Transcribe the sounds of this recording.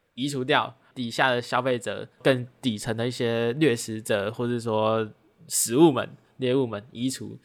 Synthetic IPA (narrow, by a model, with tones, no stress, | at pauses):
i˧˥ʈ͡ʂʰu˧˥t̪̬jɑ˥˨ʊ | t̪i˨˩ɕja˥˩d̪ə˩ɕjɑ˥ʊfe˥˩ɪʈ͡ʂɤ̰˨˩kə˥˧ŋt̪i˨˩ʈ͡ʂʰə˧˦ŋd̪ə˧i˥˩ɕjɛ˥lɥɛ˥˩ʂɻ̩˧˥t͡sɤ˨˩˦xwʂɻ̩˥˩s̬wɔ˥ | ʂɻ̩˧˥˦u˥˩mə̰˨˩˦n | ljɛ˥˧u˥˩mə˨˦ni˧˥ʈ͡ʂʰṵ˧˦